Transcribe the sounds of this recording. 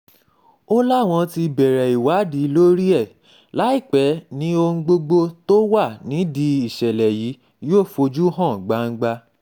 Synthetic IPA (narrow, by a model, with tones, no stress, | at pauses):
o˦la˦˨w̃ɔ̃˧ti˧bɛ˨ɾɛ˨i˨wa˨˦di˨˦lo˦ɾi˦ɛ˦˨ | la˨˦i˦˨k͡pɛ˨˦nĩ˦o˧˦ɡ͡bo˧ɡ͡bo˧to˦wa˦˨nĩ˨˦di˧i˦˨ʃɛ˨lɛ˨ji˨˦ | joː˦˨fo˧d͡ʒu˦ɦã˦˨ɡ͡ba˨˦ŋ̩˦ɡ͡ba˧˦